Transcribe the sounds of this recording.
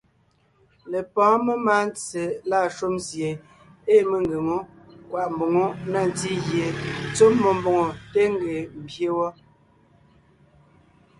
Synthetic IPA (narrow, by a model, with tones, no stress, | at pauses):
le˨pɔ̃ː˨˦me˦ma˦n˦t͡se˨la˦˨ʃo˦mzje˨ | e˦me˦ŋɡe˨ŋo˦ | kwa˨ʔm˨bo˨ŋo˦na˨n˨ti˦ɣje˨t͡soː˦ɔ˨m˦bo˨ŋo˨te˦ŋ˦ɡe˨m̩˨bje˦wɔ˦